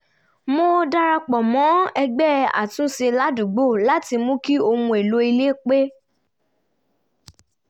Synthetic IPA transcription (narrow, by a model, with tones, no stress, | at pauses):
mo˦da˦ɾa˧k͡pɔ˨mɔ̃˨˦ɛ˧ɡ͡bɛ˦˨a̰˨tũ˨˦se˧la˦du˨ɡ͡bo˦˨la˦ti˧mũ˦ki˦o˧mũ˧e˨lo˧˦i˧le˦˨k͡pe˦